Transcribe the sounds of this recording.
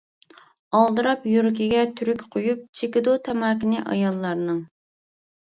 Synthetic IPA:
ɑlˠd̪ɨɾɑpjuɾkʲiɡʲɛt̪ʰyɾykʲqʰojup̚t͡ʃʰekʲid̪ut̪ʰɛmɑːkʲɪnɪʔɑ̰jɑlˠːɑɾnɨŋ

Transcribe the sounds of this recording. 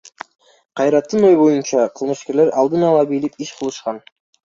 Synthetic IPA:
qʰɑjɾɑt̪ːɯnøjbo̞junt͡ʃɑqʰɯlˠmɯʃke̞ɾle̞ɾɑlˠd̪ɯnɑlˠɑbilipiʃqʰɯlˠɯʃqɑn

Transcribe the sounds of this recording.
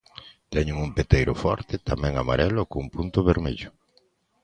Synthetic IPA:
t̪ɛɲʊŋumpet̪ejɾʊfɔ̰ɾt̪ɪt̪amɛ̃ŋamaɾɛlʊkoumpunt̪ʊβeɾmḛʎʊ

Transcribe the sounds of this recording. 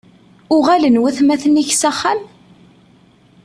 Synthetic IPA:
ʊʁælənwæθmæθəniçsæχːæm

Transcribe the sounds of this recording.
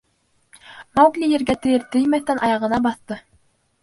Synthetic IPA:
mɑwɡlʲijɘ̆ɾɡæt̪ɘ̆jɘɾt̪ɘ̆jmæθt̪ænʔɑjɑʁɤ̆nɑbɑθt̪ɤ

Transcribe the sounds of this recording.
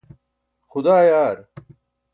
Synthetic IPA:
xʊd̪aːjaːɾ

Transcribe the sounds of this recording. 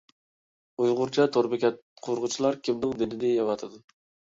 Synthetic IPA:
ujʁʊɾt͡ʃʰɛt̪ʰoɾbɪkʲʰɛt̪qʰoɾʁʊt͡ʃʰilˠɑɾkʲimd̪ɪŋd̪ɪnɪd̪ɪjɑwɑt̪ʰɨd̪ɨ

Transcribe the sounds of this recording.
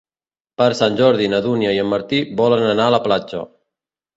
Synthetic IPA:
pəɾsanʲʒɔɾðinəðunjəiəmːəɾt̪ibɔlənənaələplat͡ʃə̰

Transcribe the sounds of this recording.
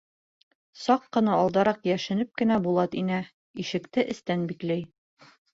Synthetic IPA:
sɑqːɤ̆nɑɒlˠd̪ɑɾɑqjæʃɘ̆nɘp̚kɘ̆næbulˠɑt̪inæ | iʃɘ̆kt̪ɘʔɘ̆st̪ænbiklæj

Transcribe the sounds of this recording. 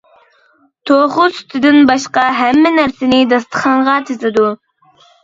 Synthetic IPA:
t̪ʰoχʊsy̥t̪ʰɪd̪ɪnbɑʃqɑɦɛmːɪnæɾsɪnɪd̪ɑst̪ʰə̥χɑɴʁɑt̪ʰezɪd̪u

